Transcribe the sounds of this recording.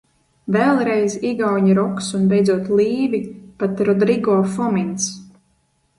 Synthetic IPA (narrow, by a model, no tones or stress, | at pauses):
vɛlˠɾɛjziɡawɲɾɔksunbejd̪zuɔt̪lˠiːvipat̪ɾɔd̪ɾiɡɔːfɔmins